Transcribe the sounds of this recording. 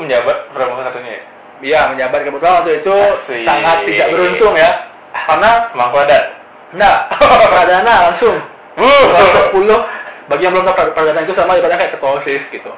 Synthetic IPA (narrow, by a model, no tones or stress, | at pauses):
məɲabat̪̚pəɾamusasat̪uɲa̰j̰ | ijaməɲabat̪̚kəbut̪aant̪uit̪usaŋat̪ːidaʔbəɾunt̪ʊŋja | karnamaŋkuadat̪ | nahpəɾadanalaŋsʊŋ | səpulʊhbaɡijaŋbəlʊmt̪apɾapəɾadanait̪usamadibat̪̚ɲakajakət̪osɪsɡit̪u